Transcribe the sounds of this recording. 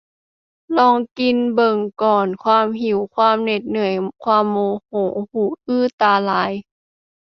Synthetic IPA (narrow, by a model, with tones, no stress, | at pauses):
lɔː˧˩ŋki˧nbɤ˨˩ŋkɔː˨˩nkʰwaː˧˥˨mɦi˨˩˦wkʰwaː˧˥˨mne˨˩t̪̚nɯ˨˩əjkʰwaː˧˨mːoː˧˦hoː˨˩˦huː˨˧˩ʔɯː˥˩t̪aː˧laː˨˦j